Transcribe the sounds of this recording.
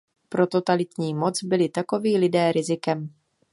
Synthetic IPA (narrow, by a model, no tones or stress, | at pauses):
pɾo̞t̪o̞t̪alɪt̪ɲiːmo̞t͡sbɪlɪt̪ako̞viːlɪdɛːɾɪzɪkɛm